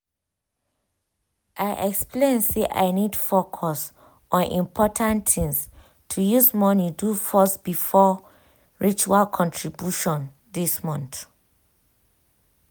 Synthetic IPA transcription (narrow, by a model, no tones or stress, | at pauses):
ʔaɪʔɛkspʰlẽnseʔa̰ɪnid̥fokʰɔs | ʔɔ̃nʔḭ̃mpʰɔtʰãntɪ̃ŋs | tʰujuzmɔnidufɔsb̥ifɔ | ɹit͡ʃualkʰɔ̃ntʰɹibjuʃɔ̃n | ðismɔ̃nθ